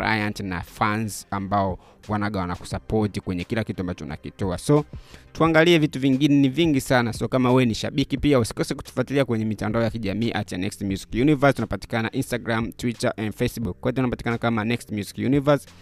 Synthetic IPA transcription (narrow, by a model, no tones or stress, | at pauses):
a̰jantna̰fanzambaɔ | wanaɠawanaku̥sapɔtikwɛɲɛkilakituambat͡ʃɔunʔa̰kitɔa̰sɔtuaŋɡaliɛvituviŋɡinɛniviŋɡisanasiɔkamawɛniʃaɓikipiausi̥kɔsiku̥tu̥fwatiliakwɛɲɛmitandaɔjakiʄamiːʔatija̰nɛkstmjuzi̥kjunivasunapati̥kananaʔinstaɡɾamtwitaʔandfɛsɓukwaitɛunapati̥kanakamanɛkstmjuzi̥kjunivas